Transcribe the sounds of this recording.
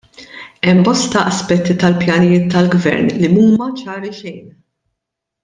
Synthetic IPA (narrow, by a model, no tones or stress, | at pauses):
ɛmːbɔst̪ɐʔɐspɛt̪ːit̪ɐlpjɐnɪjɪːt̪ːɐlɡvɛ̰ɾnlimuːmɐt͡ʃɐːɾiʃɛjn